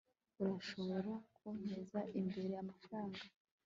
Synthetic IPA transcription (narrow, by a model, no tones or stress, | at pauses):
uɾaʃo̞βoɾokʰun̥ezaʔimbe̞ɾe̞jamafɾaːŋɡa